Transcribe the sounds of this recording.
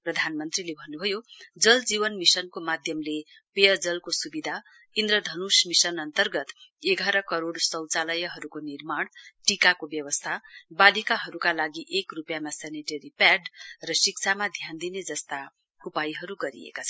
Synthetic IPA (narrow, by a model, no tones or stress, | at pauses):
prʌd̪ʱanmʌnt̪rilebʱʌnːubʱʌjod͡zʌld͡zibʌnmisʌnkomad̪ʱjʌmle | pejʌrd͡zʌlkosubid̪ʱa | ind̪rʌd̪ʱʌnusmisʌnʌnt̪ʌrɡʌt̪eɡʱaɾʌkʌɾoɽsʌ̃wt͡salʌjʌɦʌɾukonirmaɽ̃ʈikakobjʌwʌst̪ʰabalikaɦʌɾukalaɡiʔekrupjamaseneʈeɾipaɖrʌsik̚t͡sʰamad̪ʱjand̪ined͡zʌst̪a | upajiɦʌɾuɡʌɾḭḛkat͡sʰʌn